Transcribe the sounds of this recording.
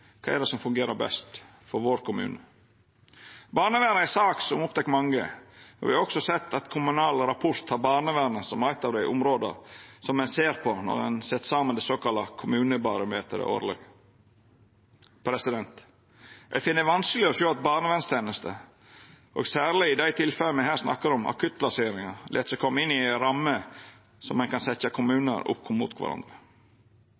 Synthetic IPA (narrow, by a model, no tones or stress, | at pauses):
kʰɑ̰ːɛɖ̪ɛsɔmfʉŋɡeːɾəɾbɛ̰st̪ | fɔɾʋoːɾkʰʊmʉ̰ːnə | bɑːɳəʋæːɾnəɪsɑːksɔmʊp̚t̪ʰɛkːmɑŋːə̰ɔ̰ʋɪɑɔksɔsɛt̪ʰːɑt̪kʰʊmʉnɑːlɾɑpʰʊɾt̪hɑːɾbɑːɳəʋæɾnəsɔmæɪt̪ːɑːʋd̪æɪʔʊ̰mɾoːd̪ə̰ɾsɔmːɛnseːɾpʰɔnɔ̰ɾɛ̰nsɛt̪sɑmːənd̪ɛsoːkɑlːɑkʰʊmʉːnəbɑɾʊmeːt̪əɾə̰ʔo̰ːɾlɑ̰ɡ | pʰɾɛsɪd̪ɛnt̪ | ɛ̰fɪnːəʋɑnsklɪɔʃøːɑt̪̚bɑːɳəʋɛnst̪ʰeːnəst̪ʰə̰ | ʔo̰ːɡsæːɾlɪɪd̪æɪt̪ʰɪlfɛləmɛɦæːɾsnɑ̰kːəɾɔmɑ̰kʰʉt̪̚lɑseːɾɪŋɑlʔɛ̰t̪sɔkʰɔmːɪnːɪæɾɑmːə | sɔmːɛnkɑnsɛt̪ːɑkʰʊmʉːnə̰ɾʊ̰pːkʰʊmːṵːt̪kʰʋɑ̰ɾʔɑ̰nd̪ɾə